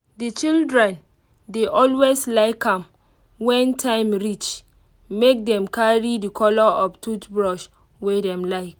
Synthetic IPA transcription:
dit͡ʃildɹɛ̃n | deʔɔlweslaɪkãm | wɛ̃ntʰãɪ̃mɹit͡ʃ | mek̚dɛ̃mkʰaɹidikʰɔlɔʔɔftʰutbɹɔʃ | wedɛ̃mlaɪk

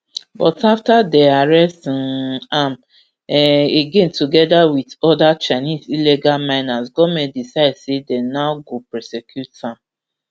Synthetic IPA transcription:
bɔtaftadeaɹɛstnam | iɡẽntuɡɛdawitɔdat͡ʃaɪnizileɡalmãɪnasɡɔmedisaɪdsedɛnaʊɡopɹɛsɛkjutsãm

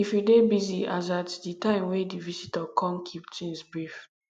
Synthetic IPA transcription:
ifjudebiziazatditãɪ̃mwedivisitəkʰɔ̃mkʰip̚t͡ʃĩnsbɹif

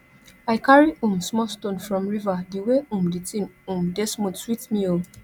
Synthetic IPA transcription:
aɪkaɹiũmsmɔlstõnfɹɔ̃mɹivadiweũmditʰĩnũmdɛsmũtwitmĩo

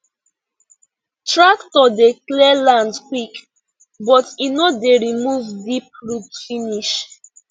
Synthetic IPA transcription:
tɹaktɔdeklɛlãndkwik | bɔtinodeɹimuvdip̚ɹutfiniʃ

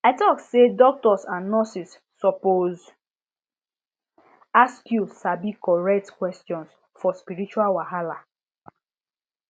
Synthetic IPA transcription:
aɪtɔksedɔk̚tɔsãnːɔsisː | ɔpoz | askjusabikɔɹɛk̚tkwɛstjɔ̃ns | fɔspiɹit͡ʃualwaɦala

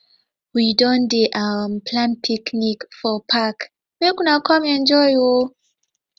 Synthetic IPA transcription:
widɔ̃ndeʔawəmpʰlãnpʰiknikfɔpʰak | mekunakamiɛ̃nd͡ʒɔjwo

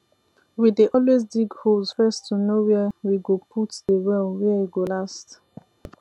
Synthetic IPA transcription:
wideʔɔlwezdiɡhoz̥fɜstʰunowɛwiɡopʰutdəwɛlwɛwiɡolast

